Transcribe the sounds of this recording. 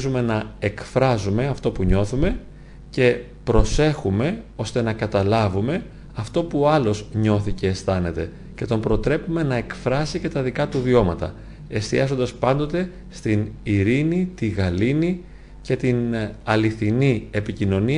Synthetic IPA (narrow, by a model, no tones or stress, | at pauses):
zume̞nɐe̞kfɾɐzume̞ɐft̪o̞puɲo̞θume̞ | ce̞ | pɾo̞se̞xume̞o̞st̪e̞nɐkɐt̪ɐlɐvume̞ | ɐft̪o̞puoɐlo̞zɲo̞θice̞ːst̪ɐne̞t̪e̞ | ce̞t̪o̞mpɾo̞t̪ɾe̞pume̞nɐe̞kfɾɐsice̞t̪ɐðikɐt̪uvio̞mɐt̪ɐ̰ | e̞st̪iɐzo̞nd̪ɐspɐnd̪o̞t̪e̞ | st̪iniɾinit̪iɣɐlini | ce̞t̪inɐliθinie̞picino̞ni